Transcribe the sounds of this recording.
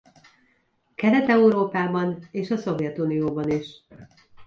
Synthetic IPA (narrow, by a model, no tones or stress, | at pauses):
kɛɾɛt̪ɛuɾoːpaːbɒneːʃɒso̞vjɛt̪unijoːbɒniʃ